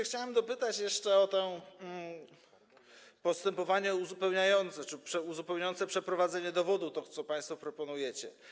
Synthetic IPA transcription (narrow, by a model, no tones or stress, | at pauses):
xt͡ɕawɛmd̪ɔpɘt̪at͡ɕjɛʂt͡ʂɛɔt̪ɛ̃ | pɔst̪ɛmpɔvaɲɛuzupɛwɲajɔnt̪sɛt͡ʂɘpʂɛuzupɛwɲajɔnt̪sɛpʂɛpɾɔvad̪zɛɲɛd̪ɔvɔd̪ut̪ɔt̪sɔpaj̃st̪fɔpɾɔpɔnujɛt͡ɕɛ̰